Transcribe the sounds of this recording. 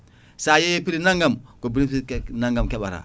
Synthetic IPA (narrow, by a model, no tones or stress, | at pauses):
sajepiɾinaŋɡamkobiɾipiknaŋɡamkeɓaɾa̰ː